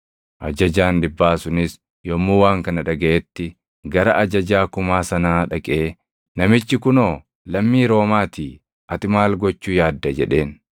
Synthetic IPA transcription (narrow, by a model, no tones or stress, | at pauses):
ʔɐ̰d͡ʒɐd͡ʒaːnd̪ɪbːaːsʊnɪs | jɔmːuːwaːŋkɐnɐᶑɐɡɐʔɛt̪ːɪ | ɡɐɾɐʔɐd͡ʒɐd͡ʒaːkʊmaːsɐnaːᶑɐkʼe̞ː | nɐmɪt͡ʃːɪkʊnoː | lɐmːiːɾo̞ːmaːt̪iː | ʔɐt̪ɪmaːlɡɔt͡ʃːuːjaːd̪ːɐd͡ʒɛᶑe̞ːn